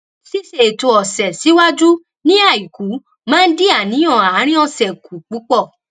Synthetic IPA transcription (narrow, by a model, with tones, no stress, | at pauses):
si˦se˨to˧ɔ˨sɛ˨si˨˦wa˦d͡ʒu˦ | nĩ˦a˦˨i˨ku˨˦ | mãː˦n̩˦di˦a˨nĩ˨˦ɔ̃˦˨a˨˦ɾ̃ĩ˦ɔ˧sɛ˨kʰu˨k͡pu˨˦k͡pɔ˦˨